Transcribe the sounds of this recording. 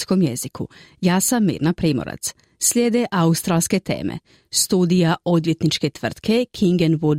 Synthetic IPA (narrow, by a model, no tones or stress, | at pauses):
sko̞mjezikʰṵjaːsamːḭːɾnapɾiːmo̰ɾa̰t̪s | slʲjeːd̪eʔaust̪ɾaːlske̞t̪ḛːmʔḛ | st̪uːd̪ijao̞d̪ʋje̞t̪nit͡ʃke̞t̪ʋr̩t̪kʰe̞kʰiŋɡenʋu